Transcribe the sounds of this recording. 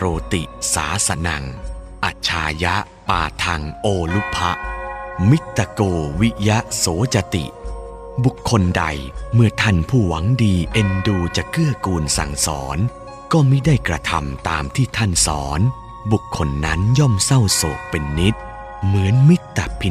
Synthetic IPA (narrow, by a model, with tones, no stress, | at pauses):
ɾoː˧t̪i˨˩sa̰ː˩˦sa˧na̰˨˩ŋ | ʔa˨˩t͡ɕʰːaː˧ja˦˥ʔ | pa̰ː˧˩t̪ʰa˧ŋʔoː˧lu˦˥pʰːa˦˥ʔmi˦˥t̪ːa˧koː˧wi˦˥ja˦˥ʔsoː˩˦t͡ɕa˧t̪ḭ˨˩ʔ | bu˨˩kʰːo˧nda˧jmɯ˥˩ɐt̪ʰa˥˩npʰuː˥˩wa˩˦ŋdiː˧ʔe˧nduː˧t͡ɕa˨˩kɯ˥˩ɐkuː˧nsa̰˨˩ŋsɔ̰ː˩˦n | kɔː˥˩mi˦˥da˥˩jkɾa˧t̪ʰa˧mt̪aː˧mt̪ʰiː˥˩t̪ʰa˥˩nsɔ̰ː˩˦n | bu˨˩kʰːo˧nːa˦˥njɔ˥˩msa˥˩wso̰ː˨˩k̚pe˧nːi˦˥t̪̚ | mɯ˩˦ənmi˦˥t̪ːa̰˨˩pʰi˧